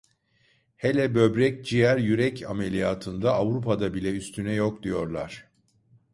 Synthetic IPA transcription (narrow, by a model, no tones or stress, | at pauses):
helʲɛbø̞bɾɛc̚d͡ʒijæɾjyɾɛcʰa̰melʲijaːt̪ʰɯnd̪aːvɾupʰad̪abilʲɛyst̪ʰynɛjo̞k̚d̪ijo̞ɾlˠa̰ɾ̥